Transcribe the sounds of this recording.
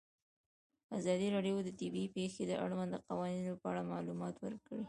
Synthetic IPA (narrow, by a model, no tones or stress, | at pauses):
azɑd̪iɾɑɖjod̪ət̪ɪbipexed̪əʔa̰ɽmand̪əqawɑninopəaɽamɑlumɑt̪wə̰ɾkɽi